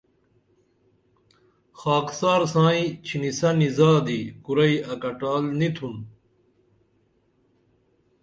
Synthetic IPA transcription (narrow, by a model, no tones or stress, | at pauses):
xaːksaːɾsãːĩt͡ɕʰinisɐnizaːd̪iːkuɾɐiɐkɐʈaːlnit̪ʰun